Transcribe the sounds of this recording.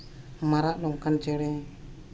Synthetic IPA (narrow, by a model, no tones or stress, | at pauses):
maɾaʔlɔmkant͡ʃɛɽɛ